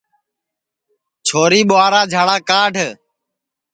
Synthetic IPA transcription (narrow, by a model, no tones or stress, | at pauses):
t͡ʃʰoːɾiːɓʊaːɾaːd͡ʒʱaːɽaːkaːɖʱ